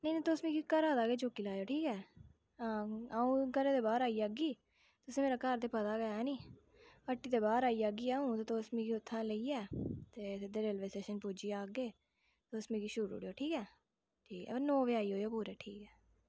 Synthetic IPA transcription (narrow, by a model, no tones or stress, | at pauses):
nəinĩːt̪oːsmiːkiːkəɾaːd̪aːɡeːt͡ʃoːkiːlaːjoːʈʰiːkɛː | aːaːũːɡəɾeːt̪eːbaːɾaːiːaːɡiː | t̪ʊsĩːmeːɾaːkəɾt̪eːpət̪aːɡəjaɦɛːnĩː | əʈːiːt̪eːbaːɾaːiːaɡiːaːũːt̪eːt̪oːsmĩːkiːʊt̪ʰːãːləiːɛːt̪eːd̪eːɾeːlʋeːseːʃənpuːd͡ʒiːaːɡeː | t̪oːsmiːkiːʃʊɾṵːɽoːʈʰiːkɛː | ʈʰiːkonɔːʋɪaːiːɦoːjoːpuːɾɛːʈʰiːkɛː